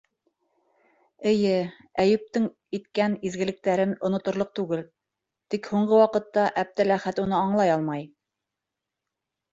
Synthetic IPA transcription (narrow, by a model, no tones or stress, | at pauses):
ɘ̆jɘ | æjɘ̆p̚t̪ɘŋ | it̪kænizɡɘ̆lɘ̆k̚t̪æɾɘnŏnŏt̪ŏɾlˠɤq̚t̪ʉɡɘl | t̪ikhuɴɢɤwɑqɤ̆t̪ːɑʔæb̚t̪ɘlæχæt̪un̪ɤɑɴlˠɑjɑlˠmɑj